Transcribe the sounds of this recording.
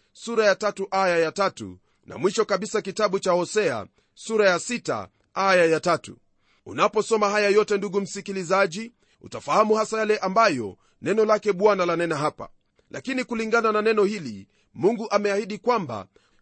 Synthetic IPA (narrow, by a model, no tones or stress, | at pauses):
suɾajatatuʔajajatatṵ | na̰mwiʃɔkaɓisakitaɓut͡ʃahɔsɛa̰ | suɾajasita̰ | ajajatatṵ | ṵnapɔsɔmahajajɔtɛnduɡum̩sikilizaʄi | ṵtafahamuhasajalɛʔambajɔ̰ | nɛnɔlakɛɓwanalanɛnaɦapa̰ | lakinikuliŋɡanananɛnɔhili | muŋɡuʔamɛahiɗikwamba̰